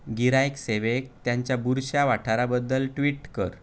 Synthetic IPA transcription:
ɡiɾajekseʋek̚t̪jãɲt͡ɕjabuɾɕjaʋaʈʰaɾabəd̪ːəlʈʋiːʈkəɾ

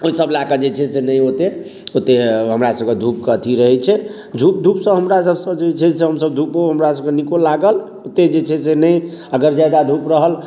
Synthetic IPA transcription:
oisəblakəd͡ʒet͡ʃʰɛsenəjot̪e | ot̪eɦəmɾasəb̚ked̪ʱup̚kət̪ʰiɾəɦɛt͡ʃʰɛ | d͡ʒʱup̚d̪ʱupsə̃ɦəmɾas̬əbsə̃d͡ʒet͡ʃʰɛseɦəmsəbd̪ʱupɦoɦəmɾasəb̚kenikolaɡəl | ot̪ed͡ʒet͡ʃʰɛsenəjəɡəɾd͡ʒajd̪ad̪ʱupɾəɦəl

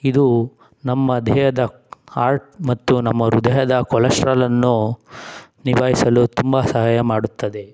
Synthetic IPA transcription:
id̪u | nɐmːɐd̪ʱɛjɐd̪ɐ | aːɾʈ̚mɐt̪ːunɐmːɐɾud̪ɐjɐd̪ɐkɔlɐʃɾalɐnːu | niʋaːɦisɐlut̪umbɐsɐɦaːjɐmaːɽut̪ːɐd̪e̞

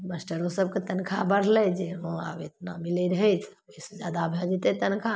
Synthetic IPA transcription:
məsʈəɾosəb̚ket̪ənkʰabəɽ̤lɛd͡ʒeɦõa̰bet̪namilɛɾəɦɛt͡ʃʰbesed͡ʒjad̪abʱad͡ʒit̪et̪ənkʰa

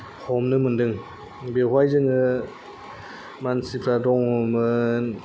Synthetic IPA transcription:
hʰɔmnɯmɯndɯŋ | beɦwajzɯŋɯ | mansipʰɾadɔŋumɯn

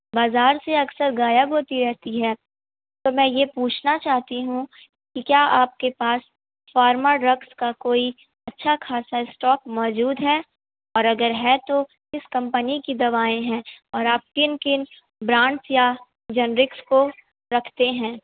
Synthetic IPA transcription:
baːzaːɾseɐksəɾɡaːjəbɦoːt̪iɾɛɦt̪iɦɛː | t̪omɛ̃ːjepuːt͡ʃʰnat͡ʃaːɦt̪iɦũ | kikjaːʔaːp̚kepaːs | faːɾməɖɾɐkskakoːi | ɐtːʃʰakʰaːsaɪsʈɔːkmɔːd͡ʒuːd̪ɦɛː | ɔːɾɐɡəɾɦɛt̪o | ɪskɐ̃mpənikid̪ɐʋaːẽɦɛ̃ːɔːɾaːp̚kɪnkɪn | bɾãːɳʈsja | d͡ʒɐnɾɪksko | ɾɐkʰt̪eɦɛ̃ː

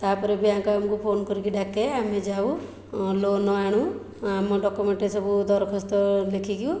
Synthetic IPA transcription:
t̪apɔɾebiakɔamɔkupʰonkɔɾikiɖakeamed͡ʒaw | lonɔaɽ̃ũ | amɔɖɔkumeɳʈesɔbud̪ɔɾɔkʰɔst̪ɔlekʰiɡiũ

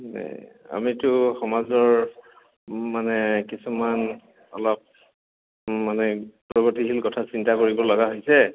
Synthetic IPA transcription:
na̰ja̰mitʊxɔmazɔɹ | manɛkisuman | ɔ̰lɔp̚ | manɛpɹɔɡɔtiɦilkɔtʰasintakoɹibɔlɔɡaɦojsɛ

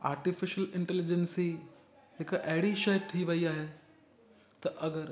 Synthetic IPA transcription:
a̰ːɾʈɪfɪʃəlɪ̃ɳʈɛlɪd͡ʒənsi | ɦɪkʔɐɦɪɽiʃɐːʈʰiʋɐiaːɦe | t̪ɐʔɐɡəɾ

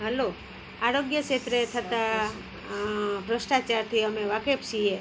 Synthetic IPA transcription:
ɦəlo | aɾoɡjəkʰet̪ɾəet̪ʰət̪a | bɾəsʈat͡ʃaɾt̪ʰiəmeʋakepʃie

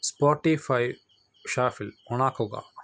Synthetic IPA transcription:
spoːʈifaj | ʃaːfɪlonaːkʰoːɡa̰ː

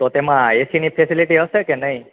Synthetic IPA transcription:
t̪ɔt̪emãesinipʰesiliʈiɦəsekenəj

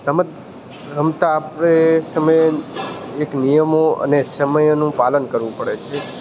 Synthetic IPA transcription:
t̪əməd̪ | ɾəmt̪aːpɾesəməj | eknijəmoə̰nesəməjnũpalənkəɾʋũpəɽet͡ʃʰe

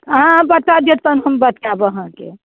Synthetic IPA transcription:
ɦãbət̪ad̪jət̪ənɦəmbət̪kabɦãkḛ

